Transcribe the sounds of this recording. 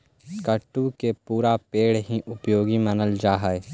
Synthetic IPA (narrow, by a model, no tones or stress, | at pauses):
kəʈːukepuːɾapeːɽɦiʔʊpjoːɡimɐnəld͡ʒaːɦəe